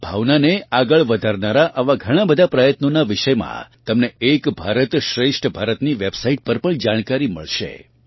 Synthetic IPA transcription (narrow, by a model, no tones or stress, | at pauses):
bʱaʋnaneaɡəɭʋəd̪ʱaɾnaɾaʔaʋaɡʱəɽ̃abəd̪ʱapɾəjət̪nonaʋɪʃəjmã̰t̪əmneekbʱaɾət̪ʃɾeʃʈʰbʱaɾət̪niʋebsaiʈ̚pəɾpəɳd͡ʒaɽ̃kaɾimə̰ɭʃḛ